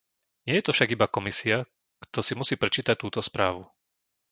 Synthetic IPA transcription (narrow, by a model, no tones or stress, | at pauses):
ɲɪɛjɛt̪ɔfʃaɡibakɔmisia | kt̪ɔsimusiːpɾɛt͡ʃiːt̪ac̚t̪uːt̪ɔspɾaːʋu